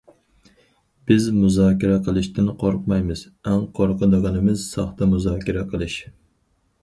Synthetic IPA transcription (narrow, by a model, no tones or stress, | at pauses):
b̥ɪzmuzɑːkʲɪɾɛqʰəlˠɨʃt̪ɪnqʰoɾqmɑjmɨz̥ | æŋqʰoɾqʰəd̪ɨʁɑnɨmɪz̥sɑχt̪ɑmuzɑːkʲɪɾɛqʰəlˠɨʃ